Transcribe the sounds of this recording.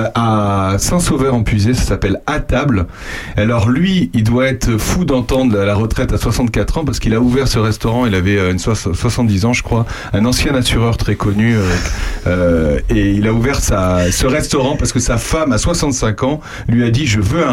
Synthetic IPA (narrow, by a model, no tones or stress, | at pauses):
asɛ̃sovœʁɑ̃pɥizesḁsapɛlat̪abl | alɔʁlɥiild̪waɛt̪χfud̪ɑ̃t̪ɑ̃d̪ʁalaʁət̪χɛt̪aswasɑ̃t̪̚kat̪χɑ̃paʁsə̥kilauvɛʁsəʁɛst̪ɔʁɑ̃ilavɛøynswaswasɑ̃t̪̚d̪izɑ̃ʒəkχwa | ɛ̃nɑ̃sjɛ̃nasyʁœʁt̪χɛkɔny | øeilauvɛʁsasəʁɛst̪ɔʁɑ̃paʁsə̥kəsafamaswasɑ̃t̪sɛ̃kɑ̃ | lɥiad̪iʒəvøɛ̃